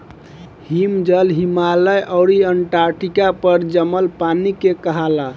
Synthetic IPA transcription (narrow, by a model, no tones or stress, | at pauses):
himd͡ʒəlɦimaləjʔɔʊɾiəɳʈaɾʈikapəɾd͡ʒəməlpanikekəɦala